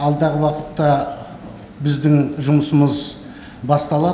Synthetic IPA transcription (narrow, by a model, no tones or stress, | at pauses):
ɑlˠd̪ɑʁəwɑqət̪ːɑ | bɪzd̪ɪŋʒʊməsəməz | bɑst̪ɑlˠɑ